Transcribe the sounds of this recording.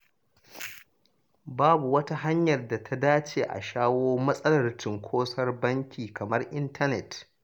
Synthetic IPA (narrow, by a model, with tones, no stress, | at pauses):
baː˦bu˨wɐ˦ta˦ɦa˦ɲjɐ˨rda˨tʰa˦daː˦t͡ʃeː˨ʔa̰˨ʃaː˦woː˦mɐ˦sʼɐ˦lɐ˨rtɪ˨ŋkʷʰoː˦sɐ˦rbɐ˦ŋkʲiː˨kɐ˨mɐ˦rʔɪ˦ntʰɐ˦nɛ˨t